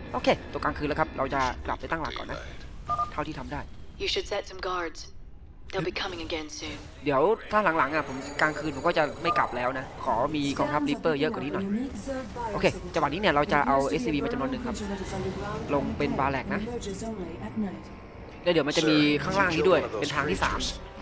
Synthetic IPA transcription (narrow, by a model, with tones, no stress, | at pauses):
ʔoː˧kʰeː˧t̪u˧˩əkaː˧ŋkʰɯː˧nlːɛ˦˥kʰa˦˥p̚ɾa˧wt͡ɕa˨˩kla˨˩p̚pa˧jt̪a˥˩ŋla̰˨˩kːɔ̰˨˩nːa˦˥t̪ʰa˥˩t̪ʰiː˥˩t̪ʰa˧mdaː˥˩jjɨʃɨd̥sɛt̚sə̃mɡɑɹdz̥ | ðeɪbikʰʌmɪ̃ŋəɡɛ̃nsʉ̃n | di˨˩˦əwt̪ʰaː˥˩la˨˩˦ŋla˩˦ŋʔa˨˩pʰo˩˦mkaː˧ŋkʰɯː˧nʰo˨˩˦mkɔ˥˩t͡ɕa˨˩ma˥˩jkla̰˨˩p̚lɛː˦˥wna˦˥kʰɔː˩˦miː˧kɔː˧ŋt̪ʰa˦˥p̚li˦˥pːɤː˥˩jɤ˦˥ʔkɔ˨˩ni˦˥nɔ˨˩j | oː˧kʰeː˧t͡ɕa˧wt̚niː˦˥ni˥˩ɐɾa˧wt͡ɕa˨˩ʔa˧wʔeː˦˥siː˧biː˧maː˧t͡ɕa˧mnu˧ənːɯ˨˩ŋkʰa˦˥p̚ | lo˧ŋpe˧nbaː˧lɛː˨˩k̚na˦˥ | lɛː˦˥˩di˨˦wma˧t͡ɕa˨ʔmiː˧kʰaː˥˩ŋlaː˥˩ŋniː˦˥du˥˩əjpe˧nt̪ʰaː˧ŋt̪iː˥˩sa̰ː˩˦m